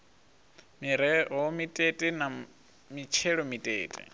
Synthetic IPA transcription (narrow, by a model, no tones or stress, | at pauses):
miɾɛɦɔmitʼetʼina | mit͡ʃʰɛɺɔmitʼḛːtʼḭ